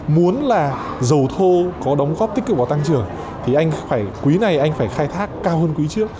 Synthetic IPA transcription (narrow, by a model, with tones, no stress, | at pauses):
mu˨˦ənlaː˨˩ | zə˨˩wt̪ʰo˧kɔ˨˦ɗɔ˨˦wŋ͡mɣɔ˦˥p̪̚i˦˥k̟̚ɨ˨˩va˧˩t̪a˧ŋt͡ɕɨ˨˩əŋ | t̪ʰi˨˩ʔa˧jŋ̟faː˧˩jkwi˨˦na˧˩jʔa˧jŋ̟faː˧˩jxaː˧jt̪ʰaː˦˥kːaː˧whəː˧nkwi˨˦t͡ɕɨ˦˥ək̚